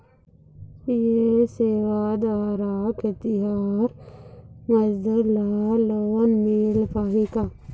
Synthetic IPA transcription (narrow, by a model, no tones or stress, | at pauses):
jeseːʋad̪ʋaːɾaːket̪iɦaːɾ | mɐzd̪əlaːlonmilpaːɦika